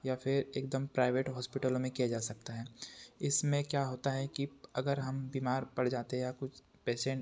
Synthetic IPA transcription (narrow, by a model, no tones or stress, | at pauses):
jafʰɪɾeːk̚d̪əmpɾaːɪʋeːʈɦɔːspɪʈəlõmẽkijad͡ʒaːsɐk̚t̪aɦɛːɪsmẽkjaːɦoːt̪aɦɛkiɐɡəɾɦɐmbiːmaːɾpɐɽd͡ʒaːt̪eɦɛ̃jakʊt͡ʃʰ | pɛːsẽːʈ